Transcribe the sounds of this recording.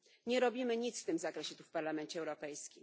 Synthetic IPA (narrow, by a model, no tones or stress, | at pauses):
ɲɛɾɔbʲimɘɲit̪sft̪ɘmzakɾɛɕɛt̪ufpaɾlamɛnt͡ɕɛːwɾɔpɛjskʲim